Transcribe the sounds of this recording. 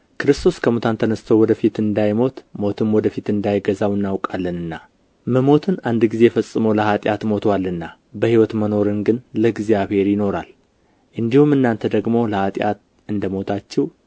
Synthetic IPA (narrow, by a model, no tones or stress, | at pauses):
kʰɨɾɨst̪ʰo̞skʰəmut̪ʰant̪ʰənəst̪ʰəwɔd̪əfit̪ɨnd̪ajmo̞t̪mo̞t̪ʰɨnwɔd̪əfit̪ɨnd̪ajɡəzawɨnːawkʼalːənɨnːa | məmo̞t̪ʰɨnand̪ɡize̞ɛfəsʼːɨməwləhat̪ʼjat̪mo̞t̪ʰwalːɨnːa | bəhiwɔt̪məno̞ɾɨnɡɨnləɡzijaβhe̞ɾjɪno̞ɾal | ʔɨnd̪ihumɨnːant̪ʰəd̪əɡmo̞ləhat̪ʼja̰t̪ | ɨnd̪əmo̞t̪ʰat͡ʃːɛw